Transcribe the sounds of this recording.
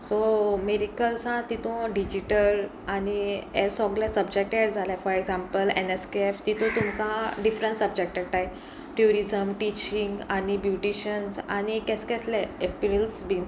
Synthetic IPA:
someɾikəlsãt̪it̪õɖid͡ʑiʈəl | aniɛɾsɔɡlasəbd͡ʑek̚ʈɛɾd͡zʱalafɔɾeɡzãmpəleneskeeft̪it̪ʰõt̪umkãɖifɾəɳʈsəbd͡ʑek̚ʈɛk̚ʈaɦe | ʈjuɾizəmʈit͡ɕiŋɡañibjuʈiɕənsañikɛskɛslɛepiɾilsbin

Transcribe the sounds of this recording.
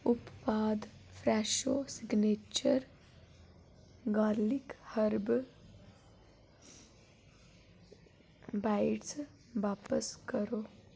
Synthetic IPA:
ʊppaːd̪pʰɾɛːʃoːsɪɡneːt͡ʃəɾ | ɡaːlɪkhəɾb | baːɪʈs | ʋaːpəskəɾoː

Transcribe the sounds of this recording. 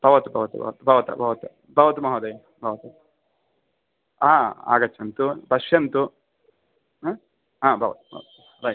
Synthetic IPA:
b̥ʱɐʋɐt̪ubʱɐʋɐt̪ṵbʱɐ̰ʋɐt̪ubʱɐʋɐt̪ɐ̰bʱɐʋɐt̪ɐ | bʱɐʋɐt̪umɐɦoːd̪ɐjɐ | bʱɐʋɐt̪u | aːa̰ːɡɐt͡ʃːɐnt̪ubɐʃjɐnt̪u | ɦaːbʱɐʋɐ̰t̪u̥bʱɐ̰ʋɐt̪u | ɾɐj

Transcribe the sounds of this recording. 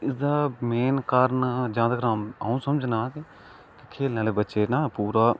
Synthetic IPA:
ɪsd̪aːmeːnkaɾnːd͡ʒãːd̪aːɡɾãːmaːũːsəməd͡ʒnaːkː | kɪkʰeːlnãːleːbətːʃeːnaːpuːɾaː

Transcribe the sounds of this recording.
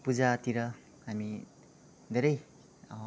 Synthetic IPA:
puzat̪iɾʌ | hami | d̪eɾʌj

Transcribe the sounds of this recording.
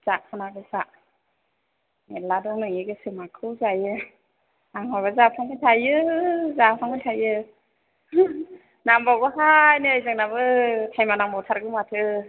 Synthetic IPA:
z̥aʔ̚pʰɯnabɯza | neladɔŋnɯŋiɡɯsimakʰɯwzajɯ | aŋaβazapʰaŋɡɯtʰajɯzapʰaŋɡɯtʰajɯ | nambawbɯɦajneajzaŋnabɯtʰajmanambawtʰaɾɡɯmatʰɯ

